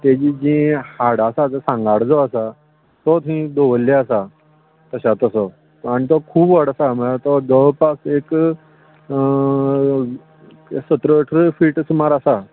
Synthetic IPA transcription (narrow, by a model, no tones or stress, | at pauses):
t̪ed͡ʑid͡ʑĩhaɽasat̪əsãŋɡaɽd͡zɔasa | t̪ɔt̪ɦĩd̪oʋəlːeasa | t̪əɕat̪əsə | aɽ̃it̪ɔkʰuːbʋəɽasaməlat̪ɔd͡zəʋpasek | sət̪ɾəʈʰɾəfiːʈəsumaɾasa